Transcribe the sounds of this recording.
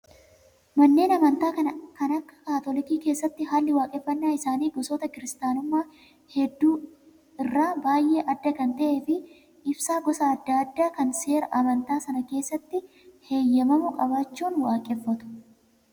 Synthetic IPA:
mɐnːe̞ːnɐmɐnt̪aːkɐnɐkɐnɐkːɐ̥kaːt̪ɔlɪkiːke̞ːsːɐt̪ːɪɦaːlːɪwaːkʼɛfːɐnːaːɪsaːniːɡɔsoːt̪ɐkɪɾɪst̪aːnʊmːaː | hɛd̪ːuː | ɪrːaːbaːjʔe̞ːʔɐd̪ːɐkɐnt̪ɐʔe̞ːfɪ | ɪbsaːɡɔsaːd̪ːɐɐd̪ːaːkɐnse̞ːɾɐʔɐmɐnt̪aːsɐnɐke̞ːsːɐt̪ːɪ | heːjːɐmɐmʊkʼɐbaːt͡ʃːuːnwaːkʼɛfːɐt̪ʊ̥

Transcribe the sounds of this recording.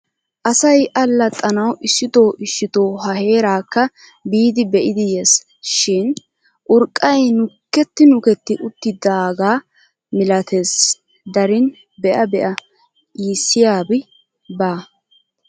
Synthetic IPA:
ʔɐsɐjʔɐlːɐt̪ʼːɐnɐwʔɪʃːɪt̪o̞ːʔɪʃːɪt̪o̞ːɦɐhe̞ːɾaːkːɐ | biːd̪ɪbɛʔɪd̪ɪjeːs | ʃɪn | ʔʊɾkʼːɐjnʊkːɛt̪ːɪnʊkɛt̪ːɪʔʊt̪ːɪd̪ɐːɡaː | mɪlɐt̪ʰe̞ːs | d̪ɐɾɪn | bɛʔɐbɛʔɐ | iːsːɪjaːbɪ | baː

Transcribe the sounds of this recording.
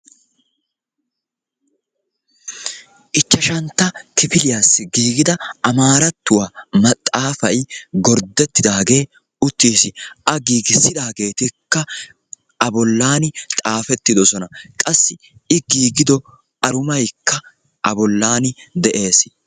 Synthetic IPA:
ʔɪt͡ʃːɐʃɐnt̪ːɐkɪfɪlɪjasːɪɡiːɡɪd̪ɐʔɐmaːɾɐt̪ːʊwaːmɐt̪ʼːaːfɐjɡɔɾd̪ɛt̪ːɪd̪aːɡe̞ː | ʊt̪ːiːsɪʔɐɡiːɡɪsːɪd̪aːɡe̞ːt̪ɪkːɐ | ɐbɔlːaːnɪt̪ʼaːfɛt̪ːɪd̪ɔsɔnɐkʼɐsːɪ | ɪɡiːɡɪd̪ɔ | ɐɾʊmɐjkːɐ | ʔɐbɔlːaːnɪd̪ɛʔe̞ːs

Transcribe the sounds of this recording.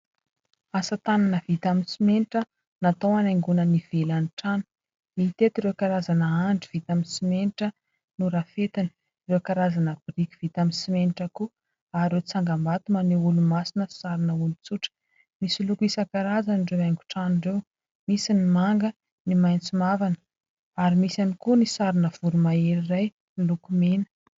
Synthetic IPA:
asət̪ananəvit̪aminsimeniʈ͡ʂə | nat̪owanajŋɡunəniv̥elaniʈ͡ʂanə̥ | mit̪et̪iɾewkaɾazanəaɳɖ͡ʐiv̥it̪aminsimeniʈ͡ʂə | nuɾafet̪inə̥ | rewkaɾazanəbiɾikʲi̥v̥it̪amisimeniʈ͡ʂəku | aɾewt͡saŋɡamat̪umaneulumasinə̥saɾinəulut͡suʈ͡ʂə̥ | misilukisakaɾazaniɖ͡ʐewaŋɡu̥ʈ͡ʂanirew | misinimaŋɡə | nimajnt͡simavanə̥ | aɾimisanikunisaɾinəv̥uɾumaeɾiraj | nlukumenə̥

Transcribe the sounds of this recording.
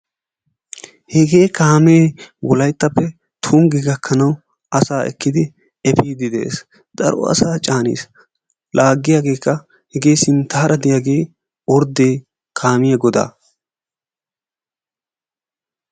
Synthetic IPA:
hɛɡe̞ːkaːmeːwɔlɐjt̪ːɐpːɛ | t̪ʰuːmɡɪɡɐkʰːɐnɐw | ɐsaːɛ̰kːɪd̪ɪ | ɛpiːd̪ɪd̪ḛːs | d̪̥ɐ̰ɾɔ̰ɐ̰saːt͡ʃʼaːnḭːs | laːɡːɪjaːɡe̞ːkːɐ | hɛɡe̞ːsɪnt̪aːɾɐd̪ɪjaːɡe̞ː | ɔɾd̪eː | kʰaːmɪjɐɡɔd̪a̰ː

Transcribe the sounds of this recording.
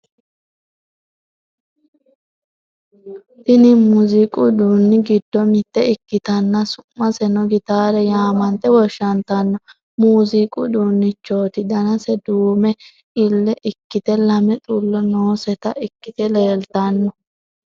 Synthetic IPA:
ʔɪnɪmuzɪkʼʊd̪uːnːɪɡɪd̪ːɔmɪt̪ːɛɪkːɪt̪ɐnːɐsʊmːɐsɛnɔɡɪt̪aːɾɛjaːmɐnt̪ɛwɔʃːɐnt̪ɐnːɔ | muːzɪkʼʊd̪uːnːɪt͡ʃːo̞ːt̪ɪd̪ɐnɐsɛd̪uːmɛ | ɪlːɛʔɪkːɪt̪ɛlɐmɛt̪ʼulːɔnoːsɛt̪ɐʔɪkːɪt̪ɛleːlt̪ɐnːɔ

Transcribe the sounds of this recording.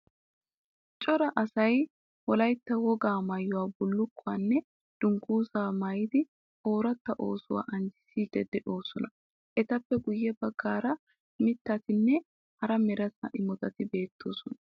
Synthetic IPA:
t͡ʃʼɔɾɐʔɐsɐj | wɔlɐjt̪ːɐwɔɡaːmɐjːʊwaːbʊlːʊkːʊaːnːɛ | d̪̥ʊŋɡuːsaːmɐjɪd̪ɪ | o̞ːɾɐt̪ːɐʔo̞ːsʊwa̰ːʔɐnd͡ʒɪ̥siːd̪ɛd̪ɛʔo̞ːsɔnɐ | ʔɛt̪ɐpːɛɡʊjːɛbɐɡːaːɾɐ | mɪt̪ːɐt̪ɪnːɛ | hɐɾɐmɛɾɐt̪ɐ̰ʔɪmɔt̪ɐt̪ɪbe̞ːt̪ʰːo̞̰ːsɔnɐ

